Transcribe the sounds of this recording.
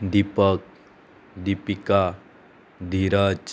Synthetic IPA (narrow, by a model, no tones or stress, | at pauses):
d̪ipək̚ | d̪ipika | d̪ʱiɾət͡ʃ